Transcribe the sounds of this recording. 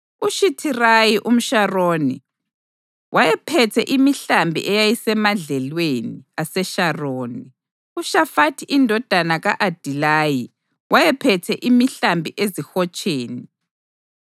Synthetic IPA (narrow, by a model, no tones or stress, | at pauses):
uʃitʰirajiʔum̩ʃaroːni | wʔajɛpʰɛtʰɛʔimiɬambʱḭʔɛjajisɛmaɮɛlweniasɛʃaroːni | uʃafatʰiʔindʱɔd̥ʱanaɣaʔad̥ʱilaji | wajɛpʰɛtʰɛʔimiɬambʱiʔezixɔt͡ʃʼeːni